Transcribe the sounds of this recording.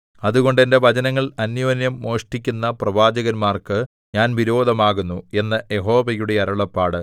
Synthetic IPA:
ɐðuɣo̞ɳɖe̞nde̞ʋɐd͡ʑɐnɐŋːɐɭɐnjoːnjɐmːo̞ːʂʈikʲːunːɐprɐʋaːd͡ʑɐɣɐnmaːrkɨ | ɲaːnʋiɾo̞ːd̪ʱɐmaːɣunːue̞nːɐje̞ɦo̞ːʋɐjuɽe̞ɐɾɐɭɐpːaːɽɨ

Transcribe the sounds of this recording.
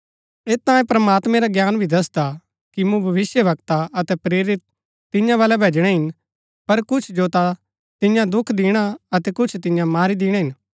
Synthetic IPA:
eːt̪ãːẽpɾɐmaːt̪mɛ̃ɾaɡjaːnbʱid̪ɐsd̪a | kimũbʱɐʋɪsjəbɐkt̪aɐt̪ɛpɾeːɾɪt̪̚ː | ɪ̃jãʋaːlɛbʱeːd͡ʒɽ̃ɛɦɪn | pɐɾkʊt͡ʃʰd͡ʒoːt̪a | t̪ɪjãd̪ʊkʰd̪ɪːɽ̃aɐt̪ɛkʊt͡ʃʰt̪ɪjãmaːɾid̪ɪːɽ̃ãɦɪn

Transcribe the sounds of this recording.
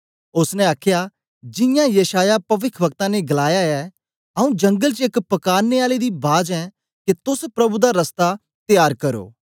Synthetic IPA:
ʊsnɛaːkʰja | d͡ʒɪ̃jãjɐʃaːjapɐʋɪkʰbək̚t̪ãneɡɐlaːjaɛ | ɐũd͡ʒɐ̃ŋɡəlt͡ʃɪkpɐkaːɾneaːled̪ibaːd͡ʒɛ̃ | ket̪ʊspɾɐbud̪aɾɐst̪a | t̪ɪjaːɾkɐɾo̰ː

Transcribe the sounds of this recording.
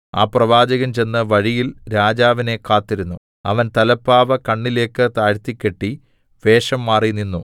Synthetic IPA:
a̰ːprɐʋaːd͡ʑɐɣɐmt͡ɕe̞nːɨʋɐɻijilɾaːd͡ʑaːʋine̞kaːt̪ːiɾunːu | ɐ̰ʋɐnt̪ɐlɐpːaːʋɐkɐɳːile̞ːkːɨt̪aːɻt̪ːikʲːe̞ʈːi | ʋe̞ːʂɐmːaːrininːu

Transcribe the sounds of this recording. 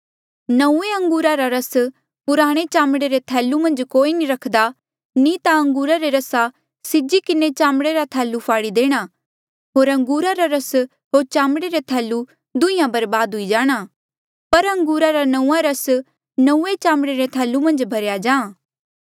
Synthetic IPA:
nɐũeɐ̃ŋɡuːɾaɾaɾɐs | pʊɾaːɽ̃et͡ʃaːmɽeɾet̪ʰɛːlːumɐ̃nd͡ʒkoːiniɾɐkʰd̪a | nĩt̪aɐ̃ŋɡuːɾaɾeɾɐsa | sɪd͡ʒikɪnet͡ʃaːmɽeɾat̪ʰɛːlːupʰaːɽid̪eːɽ̃a | ɦoːɾɐ̃ŋɡuːɾaɾaɾɐs | ɦoːɾt͡ʃãːmɽeɾet̪ʰɛːlːu | d̪ʊĩjãbɐɾbaːd̪ɦʊid͡ʒaːɽ̃a | pɐɾɐ̃ŋɡuːɾaɾanɐũːãɾɐs | nɐũːet͡ʃãːmɽeɾet̪ʰɛːlːumɐ̃nd͡ʒbʱɐɾjad͡ʒãː

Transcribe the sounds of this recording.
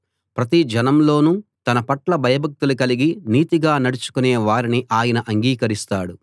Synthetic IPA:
pɾɐt̪id͡ʒɐnɐmlo̞ːnut̪ɐnɐpɐʈlɐbʱɐjɐbʱɐk̚t̪ulukɐliɡiniːt̪iɡaːnɐɽut͡ʃu̥kuneːʋaːɾiniʔaːjɐnɐʔɐŋɡiːkɐɾist̪aːɽu

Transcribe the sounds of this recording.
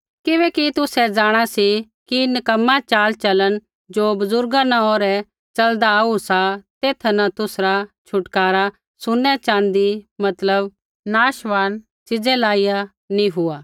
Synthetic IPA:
kɪbɛːkit̪ʊsɛd͡ʒaːɽ̃asi | kinɐkɐmːat͡ʃaːlt͡ʃɐlən | d͡ʒoːbɐzʊɾɡanãoːɾɛ | t͡ʃɐld̪ausat̪eːt̪ʰnɐt̪ʊsɾat͡ʃʰʊʈkaːɾa | sʊnːɛt͡ʃãːnd̪imɐt̪ləb | naːʃʋaːn | t͡ʃɪd͡zɛlaːija | nĩɦʊaː

